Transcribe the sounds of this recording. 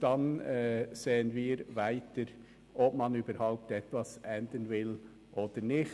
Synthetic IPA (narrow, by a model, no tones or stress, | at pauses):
d̥ɑnɛseːənviːɾvæɪtəɾ | ʔɔpmɑnyːbəɾhaʊp̚tɛtvɑsʔɛnd̪ənvɪl | ʔoːd̥əɾnɪx